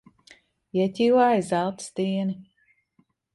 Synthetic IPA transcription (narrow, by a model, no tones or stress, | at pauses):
iɛtʲiːwaːjzalˠt̪st̪iːni